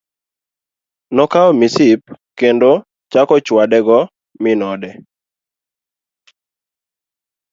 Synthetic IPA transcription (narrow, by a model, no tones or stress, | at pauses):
nɔkaɔmisip̚ | kendo | t͡ʃakɔt͡ʃwadɛɡɔ | mɪnɔdɛ